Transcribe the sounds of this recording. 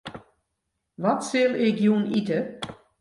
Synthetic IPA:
ʋɔtsɪlˠɪkjunitə

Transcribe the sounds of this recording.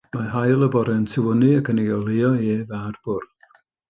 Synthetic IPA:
maɦajlˠəbɔɾɛntʰɪwənɨəkʰəneɔlˠejɔeːvarb̥ʊrð

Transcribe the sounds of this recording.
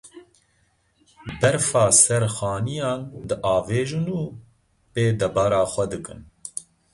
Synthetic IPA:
bɛɾfɑːsɛɾxɑːnijɑːnd̪ɨʔɑːveːʒɨnuː | peːd̪ɛbɑːɾɑːxʷɛd̪ɨkɨ̰n

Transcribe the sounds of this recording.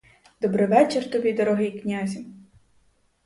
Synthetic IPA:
d̪̥ɔbɾɪʋɛt͡ʃert̪ɔbʲid̪ɔɾɔɦɪjknʲazʲi

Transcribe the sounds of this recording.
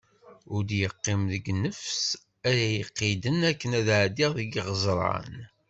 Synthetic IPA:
ʊɾd̪jəqːimðəɡnəfs | æɾæjəqːid̪ənækːənæðʕd̪iʁðəɡiʁəzˤɾˤə̰n

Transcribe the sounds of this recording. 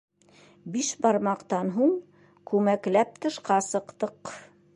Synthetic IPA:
biʃbɑɾmɑqt̪ɑnɦuɴ | kʉmæklæp̚t̪ɤ̆ʃqɑsɤ̆qt̪ɤq

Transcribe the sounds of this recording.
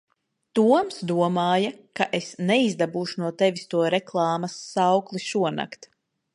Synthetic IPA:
t̪uɔmsd̪uɔmaːjakaʔesnɛizd̪abuːʃunuɔt̪ɛvist̪uɔɾɛklˠɑːmɐsːawklˠiʃuɔna̰kt̪

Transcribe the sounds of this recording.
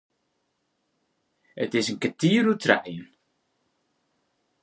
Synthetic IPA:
ətɪsənkətiːəɾutʰra̰ʔjən

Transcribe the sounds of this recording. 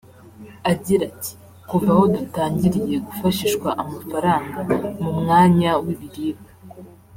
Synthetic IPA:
aɟiɾati̥ | kuvaho̞dutaːɲɟiɾije̞ɡufaʃiːʃkwaʔamafaɾaːŋɡamumŋaːɲawiβiɾiːba

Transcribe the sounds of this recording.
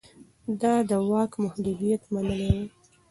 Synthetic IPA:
d̪ɑd̪əwɑkmʊhd̪ud̪ijat̪manəlewe

